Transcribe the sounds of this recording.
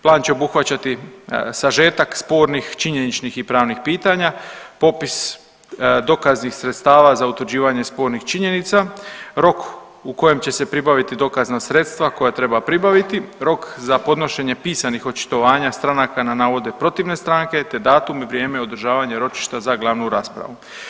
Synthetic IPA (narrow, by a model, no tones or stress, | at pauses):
plˠaːnt͡ɕe̞o̞buxʋat͡ɕat̪isaʒe̞ːt̪akspo̞ːɾnixt͡ʃiɲe̞nit͡ʃnixipɾaːʋnixpiːt̪aɲapo̞pis | d̪o̞kaznixsɾet̪st̪aːʋazaut̪ʋɾd͡ʑiːʋaɲe̞spo̞ɾnixt͡ʃiɲe̞nit̪saɾo̞k | uko̞je̞mt͡ɕe̞se̞pɾibaʋit̪id̪o̞kaznasɾe̞t̪st̪ʋako̞jat̪ɾe̞bapɾibaʋit̪iɾo̞kzapo̞d̪no̞ʃe̞ɲe̞piːsanixo̞t͡ʃi̥t̪o̞ʋaːɲast̪ɾanakananaːʋo̞d̪e̞pɾo̞t̪iʋne̞st̪ɾaŋke̞t̪e̞d̪aːt̪umiʋɾje̞ːmeo̞d̪ɾʒaːʋaɲe̞ɾo̞t͡ʃi̥ʃt̪azaɡlˠaʋnuɾaːspɾa̰ʋu